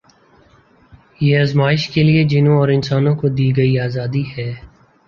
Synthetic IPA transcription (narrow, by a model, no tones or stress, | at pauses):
jeːaːzmaːɪʃkelied͡ʒɪnõɔːɾɪnsaːnõkod̪iːɡɐiaːzaːd̪ihɛː